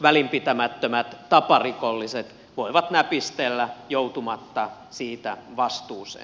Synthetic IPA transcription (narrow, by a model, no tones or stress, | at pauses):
ʋælimpit̪æmæt̪ːømæt̪t̪ɑpɑrikolːiset̪ | ʋoiʋɑt̪næpist̪elːæjout̪umɑt̪ːɑ | siːt̪æʋɑst̪uːsḛː